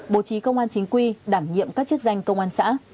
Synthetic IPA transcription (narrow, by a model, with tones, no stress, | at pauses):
ɓo˨˩˦t͡ɕi˨˦kə˧wŋ͡mʔaː˧nt͡ɕi˨˦ŋ̟kwi˧ɗaː˧˩mɲḭ˧˨əmkaː˦˥k̚t͡ɕɨ˦˥ək̚za˧jŋ̟kə˧wŋ͡mʔaː˧nsa̰ː˧˥